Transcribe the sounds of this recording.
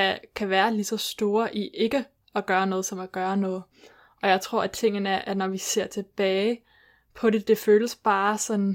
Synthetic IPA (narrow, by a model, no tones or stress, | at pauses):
ækʰæʋæːɐlisɒ̽sd̥o̝ːɐʔiʔe̝ɡ̥ə | ɒɡ̥ɶːɐnɔ̽ːð̞̩ˠsɒ̽mæɡ̥ɶːɐnɔ̽ːð̞̩ˠ | ʔɒ̽jɑ̈ɪt͡sʰʁo̝ɐ̰æt͡sʰe̝ŋ̰n̩əæʔænɒʋise̝ɐ̰t͡sʰe̝b̥ɛːɪ | pʰɒ̽ɾe̝d̥e̝føːləsb̥ɑ̈ːsɒ̽n